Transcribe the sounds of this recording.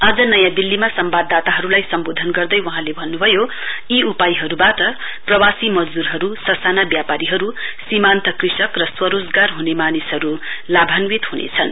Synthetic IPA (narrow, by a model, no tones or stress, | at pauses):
ad͡zʌnʌjãd̪ilːimasʌmbad̪ːat̪aɦʌɾulajsʌmbod̪ʱʌnɡʌrd̪ʌjwʌɦãlebʱʌnːubʱʌjo | iupajiɦʌɾubaʈʌ | prʌwasimʌd͡zd̪uɾɦʌɾusʌsanabjapaɾiɦʌɾusimant̪ʌkrisʌkrʌswʌɾod͡zɡarɦunemanisɦʌɾulabʱanwit̪ɦunḛt͡sʰʌn